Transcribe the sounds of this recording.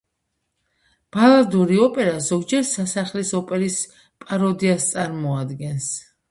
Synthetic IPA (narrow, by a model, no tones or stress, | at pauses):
b̥alˠad̪uɾiɔpʼɛɾazɔɡd͡ʒɛɾsasaχlisɔpʼɛɾis | pʼaɾɔd̪iast̪sʼaɾmɔad̪ɡɛns